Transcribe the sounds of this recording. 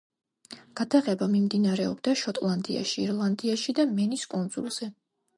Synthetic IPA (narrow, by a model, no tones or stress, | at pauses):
ɡ̥ad̪aʁɛbamimd̪inaɾɛɔbd̪aʃɔt̪ʼlˠand̪ḭa̰ʃḭːɾlˠand̪iaʃid̪amɛniskʼund̪z̥ṵlˠz̥ɛ